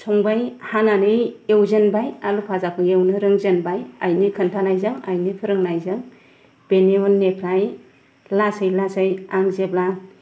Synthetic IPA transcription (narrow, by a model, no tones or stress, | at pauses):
sʰɔŋbajhaŋanɯjewzenbajalupʰazapʰɯŋewnɯɾɯŋzenbajajnikʰɯntʰanajzɯŋajnipʰɯɾɯŋnajzɯŋ | b̥eniɔnːepʰɾaj | lasajlasajaŋzeb̚la